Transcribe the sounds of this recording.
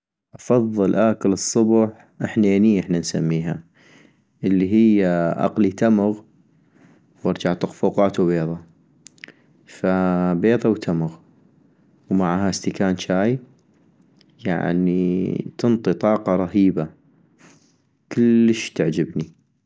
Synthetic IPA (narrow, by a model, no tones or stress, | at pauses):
ʔɑfɑðˤːɨlʔaːkəlɨsˤːʊbħ | ʔɪħneːniʔɪħnansamːiːɦa | ʔəlːiɦɪjːaʔɑ̰qlit̪amʊɣ | wɑɾˤd͡ʒaʕt̪ʊqfuːqɑːt̪wbeːðˤɑ | fabeːðˤɑwt̪ʰamʊɣ | wmaʕaɦast̪ɪkaːnt͡ʃaːj | ja̰ʕnḭt̪ɨnt̪ˤit̪ˤɑːqɑɾˤɑhiːba | kəlːəʃt̪aʕd͡ʒɪbni